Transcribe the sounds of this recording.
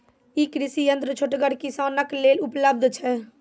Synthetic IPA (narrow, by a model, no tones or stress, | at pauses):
ikɾisijənt̪ɾət͡ʃʰoʈɡəɽkisanəklelupləb̚d̪ʱt͡ʃʰɛ